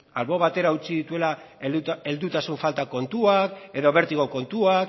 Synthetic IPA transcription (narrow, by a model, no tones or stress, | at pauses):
a̰lβo̞βat̪e̞ɾaut͡siðit̪ue̞la | e̞ld̪ut̪asuɱfalt̪ako̞nt̪uake̞ðo̞βe̞ɾt̪iɣoko̞nt̪uak